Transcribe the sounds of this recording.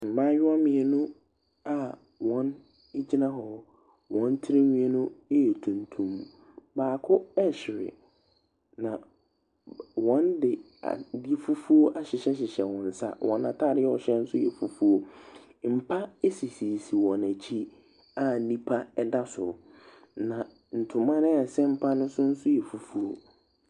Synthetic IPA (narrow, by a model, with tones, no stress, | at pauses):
m̩˨mã˦jᶣʊ˦a˦mɪ̃˨ɛ˨nʊ̃˦ | a˨ | wɔ̃˨˦n | e˦d͡ʑi˦nã˦ɦɔ˨ | wɔ̃˨˦n˦tʰɪ˦ɾɪ˦ɲĩ˨ɛ˨nʊ̃˦e˦ɛ˨tʰũ˨ntʰũ˨m | baː˨kʰʊ˦ɛ˦ɕɪ˨ɾɪ̰˨ | nã˨ | wɔ̃˨˦ndɪ˨ | a̰˨di˦fu˦fu˦o˦ʔa˨ɕɪ˨ɕɛ˦ɕ̬ɪ˨ɕɛ˨wɔ̃˨n̩˨sa̰˦wʔɔ̃˨nã˨tʰa˦˨ɾɪ˦ɛ˦ɔ˨ɕɛ˦n̩˦sʊ˦jɛ˨fu˨fu˦o˦ | m̩˨pʰa˦e˦si˨si˨si˨wɔ̃˨næ˨t͡ɕʰi˦ | a˦˨nĩ˦pʰa˦ɛ˦da˦sʊ˨ | nã˨ | n̩˨tʰʊ̃˨mã˦ñ˦a˨sɛ˦m̩˦˨pʰa˦nʊ̃˦sʊ˦n̩˦sʊ˦jɛ˨fu˨fu˦o˦